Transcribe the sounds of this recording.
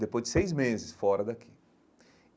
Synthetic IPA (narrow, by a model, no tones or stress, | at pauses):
d̪epojzd͡ʒɪ̥sejzmezɪsfɔɾɐd̪akʰi̥